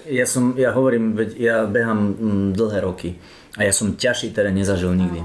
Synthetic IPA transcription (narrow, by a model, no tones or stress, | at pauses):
jasɔmjaɦɔʋɔɾiːmʋɛcjabɛɦamd̪l̩ˠɦɛːɾɔki | ajasɔmcaʃiːt̪ɛd̪aɲɛzaʒilɲiɡd̪i